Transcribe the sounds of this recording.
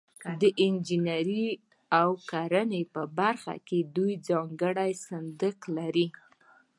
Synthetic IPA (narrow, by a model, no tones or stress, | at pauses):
d̪əʔɪnd͡ʒinaɾi | awkaɾanepəbaɾxa̰ked̪ujd͡zɑŋɡəɽajsand̪əklaɾi